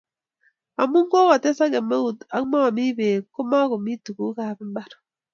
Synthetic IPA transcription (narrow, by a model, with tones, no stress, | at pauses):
a˨mu˦ŋ˦ɡo˦ka˨te˦sa˦ɡɛ˨ma˦u˨ta˨kma˦˨mi˦be˨ko˦ma˦ko˨mi˦tu˨ku˦ka˦˨bɪ˦mba˦ɾ